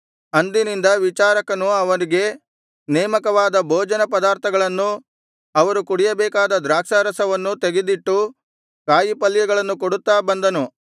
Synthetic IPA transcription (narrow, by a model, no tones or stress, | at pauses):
ɐnd̪inind̪ɐʋit͡ʃaːɾɐkɐnuɐʋɐɾiɡe̞ | nɛːmɐkɐʋaːd̪ɐbʱoːd͡ʒɐnɐpɐd̪aːɾt̪ʰɐɡɐɭɐnːu | ɐʋɐɾukuɽijɐbɛːkaːd̪ɐd̪ɾaːkʂɐɾɐsɐʋɐnːut̪eɡed̪iʈːu | kaːjipɐlːjɐɡɐɭɐnːukoɽut̪ːaːbɐnd̪ɐnu